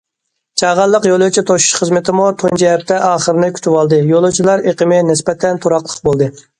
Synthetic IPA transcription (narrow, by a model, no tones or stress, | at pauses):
t͡ʃʰɑʁɑlˠːəqjolˠut͡ʃʰit̪ʰoʃu̥ʃχəzmɪt̪ʰɪmut̪ʰont͡ʃʰɛɛpt̪ʰɛʔɑːχəɾnɪkʲʰy̥t̪ʰywɑlˠd̪ɨjolˠut͡ʃʰilˠɑɾeqəmɪnɪspɛt̪ʰɛnt̪ʰoɾɑqlˠə̥qbolˠd̪ɨ